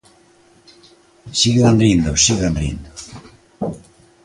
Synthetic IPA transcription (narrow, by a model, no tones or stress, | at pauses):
siɣeðanɾind̪osiɣðanḭnd̪o